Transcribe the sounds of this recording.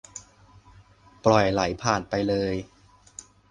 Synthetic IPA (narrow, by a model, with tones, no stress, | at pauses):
plɔ˨˩jla˩˦jpʰaː˨˩npa˧jlɤː˧j